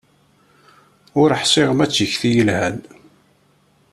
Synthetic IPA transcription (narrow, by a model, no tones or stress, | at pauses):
ʊɾəħsɪʁəmæt͡sːjəçθijəlhæn